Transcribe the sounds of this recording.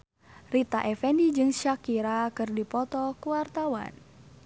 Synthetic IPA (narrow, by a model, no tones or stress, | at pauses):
rit̪aʔɛfɛndid͡ʒɨŋʃakiɾakɨrdipɔt̪ɔkuwart̪awa̰n